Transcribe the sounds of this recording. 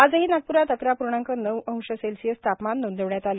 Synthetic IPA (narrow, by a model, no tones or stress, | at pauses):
ad͡zəɦiːnaɡ̚puɾat̪əkɾapuɾɳãŋkənəʋə̃w̃ɕəselsijəst̪ʰapmanːund̪ʱəʋɳjat̪alə